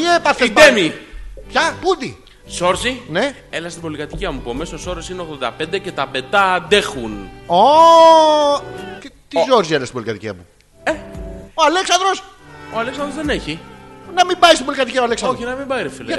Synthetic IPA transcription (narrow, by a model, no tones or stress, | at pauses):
t̪iepɐθeit̪emipçɐpud̪i | zo̞ɾzine̞ | elɐst̪ibo̞likɐt̪iciɐmupomesoso̞ɾosineoɣðo̞nd̪ɐ̰pend̪e̞ce̞t̪ɐpe̞nd̪ɐd̪e̞xuno | et̪izo̞ɾzielɐst̪ibo̞likɐt̪iciɐ̰mu | eoale̞ksɐnd̪ɾo̞s | oaleksɐnd̪ɾozðeneçinɐmimbɐist̪ibo̞likɐt̪iciɐoɐleksɐnoinɐmimbɐiɾefil